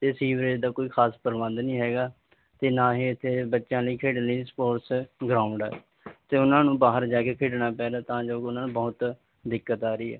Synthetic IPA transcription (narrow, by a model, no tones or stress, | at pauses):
t̪eːsiːʋɾeːd͡ʒd̪aːkoːiːkʰaːspəɾʋãːnd̪nĩːɦɛːɡaː | t̪eːnãːɦiːɪt̪ʰːeːbətːʃãːləiːkʰeːɖnliːspoːɾsɡɾaːʊ̃ɳɖɛ̰ː | t̪eːʊnãːnũːbaːɦəɾd͡ʒaːkeːkʰeːɖnaːpɛːd̪aːt̪ãːd͡ʒoːʊnãːnũːbɔːt̪ | d̪ɪkːət̪aːɾiːɛ̰ː